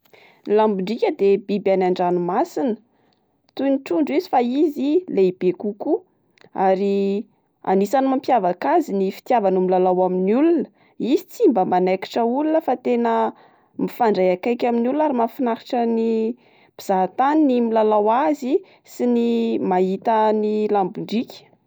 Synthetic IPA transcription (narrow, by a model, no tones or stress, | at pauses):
lambuɳɖ͡ʐikʲəd̪ebibjanaɳɖ͡ʐanumasinə̥ | t̪uniʈ͡ʂuɳɖ͡ʐizifaizileib̥ekuku | aɾi | a̰nisanimampjavakazinifi̥t̪javanumilalawaminulunə̥ | izit͡simbəmanajki̥ʈ͡ʂəulunəfat̪enə | mifaɳɖ͡ʐajakajkʲaminulunaɾimafinaɾiʈ͡ʂəni | b̥iz̥at̪aninimilalawazi | sinimaɦit̪anilambuɳɖ͡ʐikʲə̥